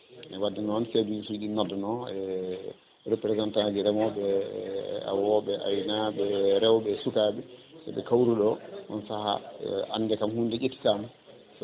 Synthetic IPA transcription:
ʔɛwadːɛnɔnfedusuiɗinɔdɔnɔɛ | ɾepɾɛzantad͡ʒiɾɛmɔbɛ | a̰wɔɓɛʔa̰jnaɓɛɾɛwɓɛsukaɓɛsɛ̰ɓɛkawɾuɗɔʔɔ̰nsaha̰ʔa̰nːdɛkamhundɛʔetːi̥tamu | s

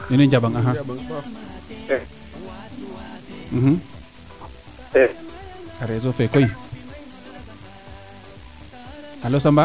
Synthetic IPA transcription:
ninind͡ʒabaŋaɦa | m̩hm̩ | eaɾezofekoi | alosamba

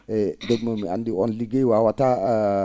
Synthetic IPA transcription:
edəbməmia̰ndiɔnliɡewawata

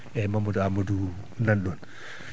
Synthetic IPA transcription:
ɛmamudɔamodu | nanɗɔn

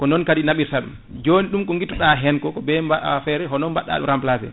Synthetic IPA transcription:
kɔnɔnkaɗinaɓiɾsaɗṵm | d͡ʒoːniɗumkɔŋɡitɔɗaɦɛnkɔkɔbɛmbafɛɾɛɦɔnɔmbaɗa̰ɗumɾamplafɛ̰

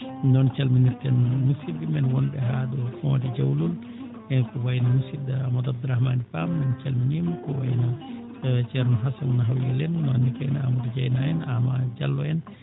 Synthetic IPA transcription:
nɔnt͡ʃalminiɾtɛnmusidimɛnwɔnbɛɦaɗufɔ̰did͡ʒawlul | ɛnkɔwajnamusidamɔdabd̪ɾahmanifamːɛnt͡ʃalminimkɔwa̰jna | d͡ʒɛɾnɔɦasanːaɦawjɛlɛnːɔnːikajnaamudid͡ʒajnaɛnamad͡ʒalːɔɛn

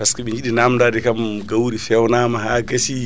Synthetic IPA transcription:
kaskaɓiɲd͡ʒiɗinamdadɛkamɡawɾifɛwnamaɦaɡasi

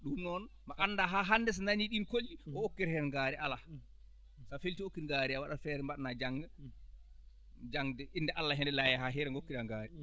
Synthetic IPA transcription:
ɗumnɔnmaʔanːdaɦaɦanːdɛs̬naniɗinkolːiɔokːiɾhɛɾɛŋɡaːɾɛʔala | safeltiokːiɾŋɡaɾiawaɗafɛɾɛmbaɗnad͡ʒaŋɡa | d͡ʒaŋdɛʔindɛʔalːaɦɛndɛlajaɦaɦɛɾɛŋɡokːiɾaŋɡaːɾi

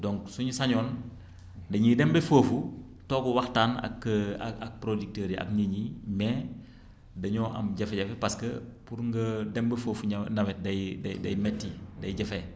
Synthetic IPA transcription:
dɔŋksuɲusɐɲɔːn | dɐɲidɛmbefoːfu | tɔːkuwɐxtaːnɐ̰kːɐɐk̚pɾodik̚toːɾiʔɐ̰kɲiɲimɛ | dɐɲɔːʔɐ̰mɟɐfeɟɐfepaskɐpuɾŋɡɐdɛmbefoːfuɲnɐwɛt̚dɐjdɐdɐjmɛtːidɐjɟɐfe

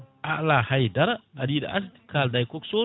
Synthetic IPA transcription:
aʔlahajdaɾadida̰ʔa̰skaldajkokso

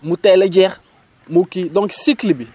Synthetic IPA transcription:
mutɛlɛd͡ʒɛʁ | mukidɔ̃ŋksiklibi

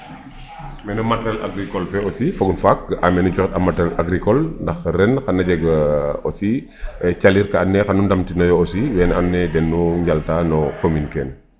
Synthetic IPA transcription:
mɛnumatɛla̰ɡɾikɔlfɛosifoɡunfak̚amɛnud͡ʒɔxɛtɐmatɛlaɡɾikɔlndɐxrɛnxɐnːɐd͡ʒɛɡosi | ɛt͡ʃaliɾkɐanːɛxanundɐmtinɔjɔosiwɛnanːɛdɛnːuɲɟaltanɔkominkɛːn

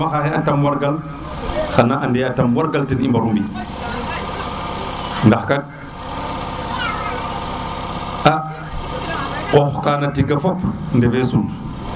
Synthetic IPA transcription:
maxaxeatamwaɾɡal | xanaʔandeatamwaɾɡaltinimbaɾumbi | ndaxkad̚ | a | qoxkanatiɡafopndevesun

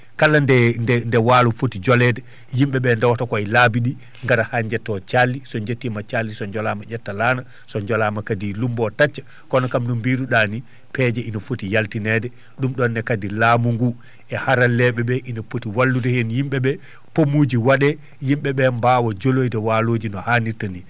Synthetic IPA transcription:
kalːandɛnɛndɛwaːlufotid͡ʒɔlɛdɛ | jimɓɛɓɛndawtakɔalabiɗi | ŋɡaɾahaɲd͡ʒɛtːɔt͡ʃalːisɔɲd͡ʒetːimat͡ʃalːisɔɲd͡ʒɔlamaʔɛtːalaːna | sɔɲd͡ʒɔlamakadilumbɔtat͡ʃːḁ | kɔnɔkamɗumbiːduɗani | pɛd͡ʒɛinafotijaltinɛdɛ | ɗumɗɔnːɛkadilaːmuŋɡu | ɛhaɾalɛɓɛɓɛʔinafotiwalːudɛhenjimɓɛɓɛ | pomud͡ʒiwaɗɛ | jimɓɛɓɛmbawɔd͡ʒolojdɛwaloːd͡ʒinɔhaːniɾtani

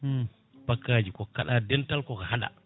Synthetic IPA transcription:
pakːaːd͡ʒikɔkaɗadɛntalkɔkahaɗa̰

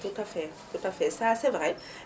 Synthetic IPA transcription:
t̪ut̪afɛ | t̪ut̪afɛsasɛvʁɛ

